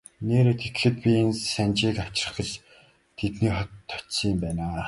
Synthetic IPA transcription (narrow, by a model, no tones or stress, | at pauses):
neːɾeːt̪ʰet̪̆xɘ̆t̪̚pʲiensænt͡ɕiːkaw̥t͡ɕ̆rə̥̆χə̆t͡ɕ | t̪ʰet̪niːχɔt̪ʰːɔ̥t͡ɕsiːmpæːnaː